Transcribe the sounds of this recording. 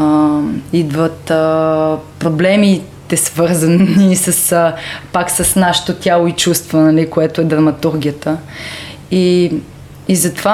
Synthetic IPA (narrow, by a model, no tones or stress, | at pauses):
id̪vət̪ | pɾoblɛmit̪ɛsvɤɾzənisəspaksɐsnaʃɛ̥t̪ot̪ʲjalˠoit͡ʃust̪vonɐlikoɛt̪oɛd̪ɾɐmɐt̪uɾɡʲijət̪ə | i | izɐt̪ova